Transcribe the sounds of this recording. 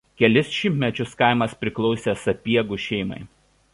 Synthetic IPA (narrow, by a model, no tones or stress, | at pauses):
kʲɛlʲɪsʃʲɪmʲt̪ʲmʲɛt͡ʃʲʊskɑˑɪmɐspʲɾʲɪklˠɔʊsʲeːsɐpʲiɛɡʊʃʲɛɪmɐ̰ɪ